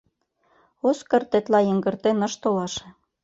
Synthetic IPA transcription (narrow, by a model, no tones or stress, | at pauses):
oskɤ̆rt̪et̪lɑjə̆ŋɡə̆rt̪enɤ̆ʃt̪olɑʃĕ